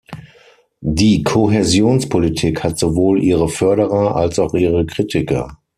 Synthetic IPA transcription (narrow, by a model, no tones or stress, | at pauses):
diːkʰoɦezjoːnspʰolitʰiːkhatz̥ovoːlʔiːʁəfœɐɾəʁɐʔa̰lsaʊxʔiːʁəkʁ̥itʰɪkɐ̰